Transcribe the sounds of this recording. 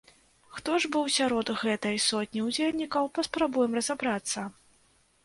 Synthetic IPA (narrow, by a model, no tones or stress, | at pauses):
xt̪ɔʐbɨwsʲaɾɔd̪ɣɛt̪ɐjsɔt̪ʲnʲiwd͡zʲelʲnʲikɐwpɐspɾabujɛmrɐzabɾat̪sːɐ